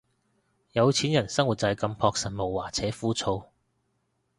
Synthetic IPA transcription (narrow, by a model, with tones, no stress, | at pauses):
jɐ˨˧wt͡sʰiː˨˥njɐ˨˩nsɐ˥ŋwu˨˩t̚t͡sɐ˧jkɐ˧mpʰɔː˧k̚sɐ˨˩nmo˨˩wwaː˨˩t͡sʰɛː˨˥fuː˥t͡sʰo˧w